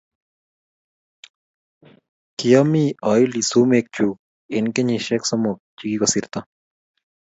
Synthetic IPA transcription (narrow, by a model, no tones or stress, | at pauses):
kijɔmiɔjlisumek̚t͡ʃuk̚ | enkeɲiʃɛksɔmʊk̚t͡ʃikikɔsiɾt̪ɔ